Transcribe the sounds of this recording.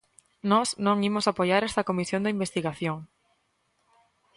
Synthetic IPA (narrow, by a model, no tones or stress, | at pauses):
nɔsnõŋimosapojaɾɛst̪ɐkomisjõnd̪eimbest̪iɣaθjoŋ